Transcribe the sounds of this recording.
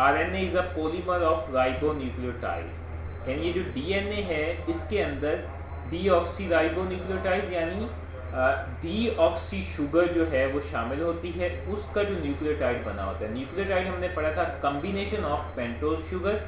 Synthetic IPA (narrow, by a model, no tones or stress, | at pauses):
aːɾɛneɪzɐpoːliməɾɔːfɾaːɪbonjuːklijəɾʈa̰ːɪz | jaːnijed͡ʒoːɖiːɛneɦɛɪskeɐ̃nd̪əɾ | ɖiːɔːksiɾaːɪbonjuːklijəɾʈaːɪzjaːni | ɖiːɔːksiʃʊɡəɾd͡ʒoːɦɛʋoʃaːmɪlɦoːt̪iɦɛ | ʊskad͡ʒoːnjuːklijəɾʈaːɪɖbɐna̰ɦo̰ːt̪aɦɛnjuːkliəɾʈaːɪɖɦɐmnepɐɽ̤at̪ʰakɐ̃mbineːʃənɔːfpɛ̃ːɳʈoːzʃʊɡəɾ